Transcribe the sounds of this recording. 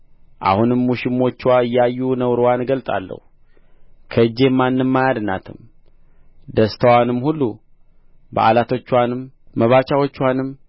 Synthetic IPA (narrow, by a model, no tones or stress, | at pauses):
ʔa̰hunɨmːuʃɪmːo̞t͡ʃːwaɨjːajːunəwɾwanɡəlt̪ʼa̰lːə̰hu | kʰəɨd͡ʒːe̞manːɨmːajad̪na̰t̪ʰɨ̰m | d̪əst̪ʰəwanɨmhulːu | bə̰ʔalat̪ʰo̞t͡ʃːwanɨmː | əβat͡ʃawo̞t͡ʃːwanɨm